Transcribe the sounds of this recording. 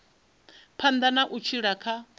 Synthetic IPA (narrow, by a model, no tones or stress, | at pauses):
pʰand̪anaʔut͡ʃʰiɺakʰa